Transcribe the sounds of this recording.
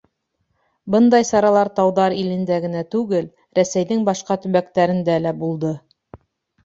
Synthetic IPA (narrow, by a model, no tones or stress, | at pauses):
bɤnd̪ɑjsɑɾɑlˠɑɾt̪ɑwðɑɾilɘ̆nd̪æɡɘ̆næt̪ʉɡɘl | ɾæsæjðɘŋbɑʃqɑt̪ɵ̆βækt̪æɾɘ̆nd̪ælæbulˠd̪ɤ